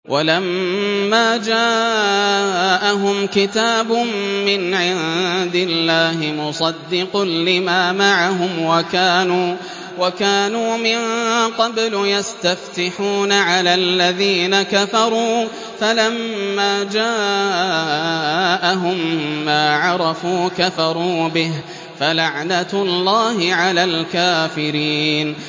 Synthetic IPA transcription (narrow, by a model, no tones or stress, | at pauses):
wʔalamːaːd͡ʒaː | ʔaɦʊmkɪt̪aːbʊmːɪnʕɪd̪ɪlːaːɦɪmʊsˤɑd̪ːɪqʊnlɪmaːmaʕaɦʊmwakaːnuː | wakaːnuːmɪnqɑbljast̪aft̪ɪħuːnaʕalaːlːaðiːnakafɑɾˤuː | falamːaːd͡ʒaː | ʔaɦʊmːaːʕɑɾˤɑfuːkafɑɾˤuːbɪɦ | falaʕnat̪lːɑːɦɪʕalaːlkaːfɪɾiːn